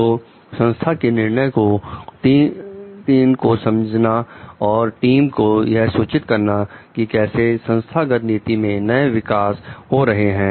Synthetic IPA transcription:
oː | sɐ̃nst̪ʰakenɪɾnəjko | t̪iːnkosɐmd͡ʒʱnaɔːɾʈiːmkojɐɦsuːt͡ʃɪt̪kɐɾnakikɛːsesɐ̃nst̪ʰaɡət̪niːt̪imẽnɐeʋɪkaːsɦoɾɐɦeɦɛ̃ː

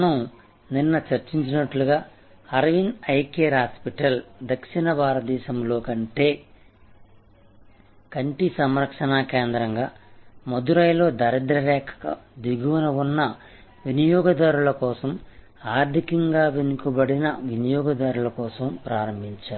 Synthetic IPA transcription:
nɐm | ninːɐt͡ʃɐɾt͡ʃiɲt͡ʃinɐʈluɡaː | ɐɾɐʋinɐjkeːɾɦaːspiʈɐld̪ɐkʂinɐbʱaːɾɐd̪ɛːʃɐmlo̞ːkɐɳʈe̞ː | kɐɳʈisɐmɾɐkʂɐnaːkeːnd̪ɾɐŋɡaːmod̪uɾɐjlo̞ːd̪ɐɾɐd̪ɾɐɾɛːkʰɐ̥kɐ̰d̪ʋiɡuʋɐnɐʋunːɐ | ʋinijɔːɡɐd̪aːɾulɐkɔːsɐm | aːɾd̪ʱikɐŋɡaːʋenukubɐɽinɐʋinijɔːɡɐd̪aːɾulɐkɔːsɐmpɾaːɾɐmbʱiɲt͡ʃaːɾu

